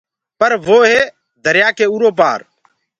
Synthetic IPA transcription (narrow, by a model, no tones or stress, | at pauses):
pəɾʋoːɦeː | d̪ʱəɾɪjaːkeːuːɾoːp̬a̰ːɾ